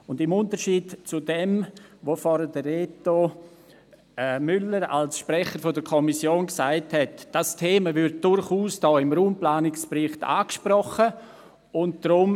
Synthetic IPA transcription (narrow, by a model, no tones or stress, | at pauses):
ʊndɪmʊntəɾʃiːdt͡sudɛmvofɔɾədəeːto | mʏləɾa̰lsʃprɛχəɾfodəkʰɔmisjoːnksaɪthɛtd̥astʰeːməvʏɾt̚d̥ʊɾχuːsd̥ɔːɪmɾuːmplaːnɪkspɾɪχtʰa̰ːkʃpɾɔχə | ʊntd̥ɾʊm